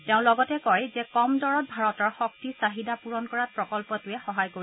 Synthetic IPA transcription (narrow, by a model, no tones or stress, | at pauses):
teʊ̃lɔɡɔtɛkɔjzɛkɔmdɔɹɔt̚bʱaɹɔtɔɹxɔktisaɦidapuɹɔnkɔɹat̚pɹɔkɔlpɔtʊjɛxɔɦajkoɹi